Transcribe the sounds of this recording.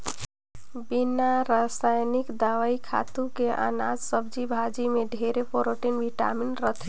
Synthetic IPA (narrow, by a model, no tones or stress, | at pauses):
binaɾasajnikd̪aʋaikʰa̰t̪ũkeʔa̰na̰d͡ʒsəbd͡ʒibʱad͡ʒimeɖʱeɾepoɾoʈinʋiʈa̰minɾət̪ʰɛ